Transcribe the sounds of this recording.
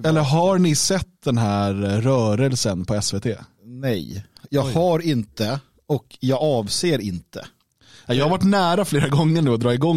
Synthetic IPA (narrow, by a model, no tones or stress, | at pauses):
ɛlːəɾɦaɾɳɪsɛt̪ːd̪ɛnɦæːɾɾœːɾəlsənpʰɔɛsveːt̪ʰeː | nɛ̰jjɑːɡhaɾɪnt̪ə | ɔkjɑːɡɑːvseːɾɪnt̪ʰə̰ | ajɑːhavaʈ̬ːnæːɾafleːɾaɡɔŋːəɳʉːɔd̪ɾɑːɪɡɔŋ